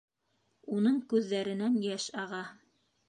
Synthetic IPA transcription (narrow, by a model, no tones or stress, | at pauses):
unɤɴkʉðːæɾɘ̆nænjæʃɑʁɑ